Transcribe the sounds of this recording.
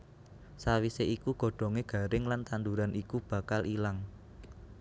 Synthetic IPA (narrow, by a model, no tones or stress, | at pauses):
sawiseikuɡ̥ɔ̤ɖ̥ɔ̤ŋeɡ̥ä̤ɾɪŋlant̪and̪uɾanʔikub̥ä̤kalʔilaŋ